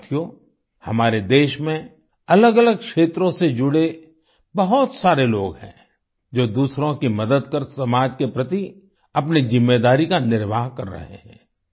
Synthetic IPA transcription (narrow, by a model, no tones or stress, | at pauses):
t̪ʰjo | hɐmaːɾed̪eːʃmẽ | ɐləɡɐləɡ̚kʃeːt̪ɾõsed͡ʒʊɽe | bɐɦʊt̪saːɾeloːɡhɛ̰̃ː | d͡ʒoːd̪uːsɾõkimɐd̪əd̪kəɾsɐmaːd͡ʒkepɾɐt̪i | ɐpnizɪmːed̪aːɾikanɪɾʋaːɦkɐɾːɐ̰ɦḛɦɛ̰̃ː